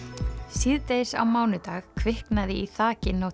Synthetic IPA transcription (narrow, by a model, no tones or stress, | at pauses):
siðt̪ejsa̰wmaːwnʏt̪aːɣkʰvɪhknaðɪiθaːcɪnow